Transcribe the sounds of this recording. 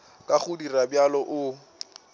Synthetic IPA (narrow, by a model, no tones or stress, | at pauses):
kʼaχʊdirabjalɔʔʊ